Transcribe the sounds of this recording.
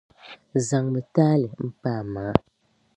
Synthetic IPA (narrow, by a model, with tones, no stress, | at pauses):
za˨ŋbɨ˨taː˦lɛ˨m̩˦paː˦˨maː˨a˦